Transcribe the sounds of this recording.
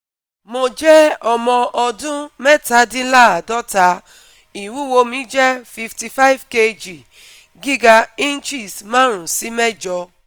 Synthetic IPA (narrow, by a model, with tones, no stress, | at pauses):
mo˧d͡ʒɛ˦ɔ˧mɔ̃˧ʔɔ˧dũ˦mɛ˦ta˨˦dĩ˦la˦˨a˨dɔ˦ta˨˦ | i˨wu˦wo˧mĩ˨˦d͡ʒɛ˦fi˧fti˧fa˦i˦˨vke˧d͡ʒi˨ | ɡi˦ɡa˧i˦n˦t͡ʃi˦˨smãː˦ɾ̃ũ˨si˨˦mɛ˦d͡ʒɔ˧